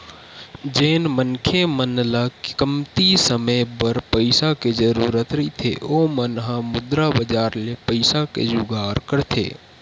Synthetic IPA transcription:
d͡ʒeːnmənkʰemənlakkəmt̪isəməjbəɾpəɪsaked͡ʒəɾuːɾət̪ɾəit̪ʰḛomənɦãmʊd̪ɾabəd͡ʒaːɾlepəɪsakḛd͡ʒʊɡʱaːɾkəɾt̪ʰḛː

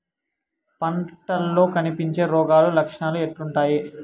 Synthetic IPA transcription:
pɐɳʈɐlːo̞ːkɐnipiɲt͡ʃe̞ːɾɔːɡaːlulɐkʂɐɳaːlueʈːuɳʈaːji

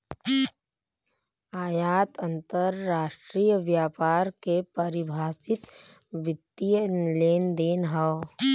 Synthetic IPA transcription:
aːjaːt̪ə̃nt̪əɾːaːʃʈɾijəʋjaːpaːɾkepəɾɪbʱaːsɪt̪ | ʋɪt̪ːijleːnd̪eːnɦə

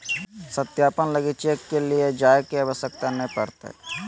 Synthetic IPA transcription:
sət̪jaːpənləɡit͡ʃekːelied͡ʒaːjkeɐʋəsjək̚t̪anəɦĩpəɾt̪ḛ

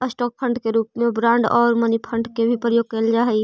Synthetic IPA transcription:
əsʈɔːk̚pʰə̃ɳɖkeɾuːpmẽbɾãːɳɖɔːɾmənipʰə̃ɳɖkebʱipɾəjoːɡ̚kəld͡ʒaːɦɛi

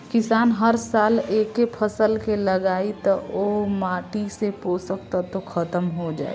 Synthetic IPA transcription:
kɪsaːnɦəɾsaːleːkepʰəsəlkeləɡaːit̪ɔomaːʈiseposək̚t̪at̪okʰət̪əmɦod͡ʒa̰ːḛ

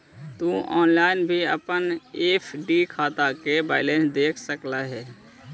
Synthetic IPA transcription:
t̪uːɔ̰ːnlaːɪnbʱiə̰pəneːpʰɖiːkʰaːt̪akeba̰ːɪlẽːsd̪eːkʰsəklaɦɛː

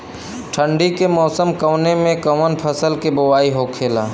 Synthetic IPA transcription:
ʈʰə̃ɳɖikemɔːsəmkəwnemẽkəwənpʰəsəlkebʊwaːiɦokʰeːlaː

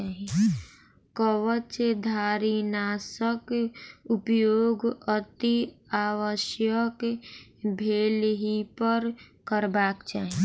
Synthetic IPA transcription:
aɦi | kəwət͡ʃd̪ʱaːɾinaːsəkʊpjoːɡət̪iaːwəʃjək | bʱeːlɦipəɾkəɾbaːkt͡ʃaːɦi

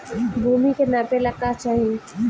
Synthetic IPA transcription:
bʱuːmikenapelɐkːat͡ʃaːɦie

